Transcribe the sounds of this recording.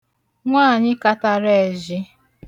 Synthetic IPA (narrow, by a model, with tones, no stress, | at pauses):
ŋʷaː˦˨ɲɪ˦ka˦ta˨ɾe˦˨ʒɪ˦